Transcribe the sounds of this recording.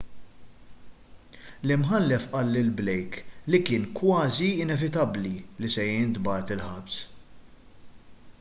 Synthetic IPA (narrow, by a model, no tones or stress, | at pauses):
lɪmħɐlːɛfʔɐlːɪlblɛjklikɪːnkwɐːziɪnɛvɪt̪ɐblilisɛjɪnt̪bɐːt̪ɪlħɐbs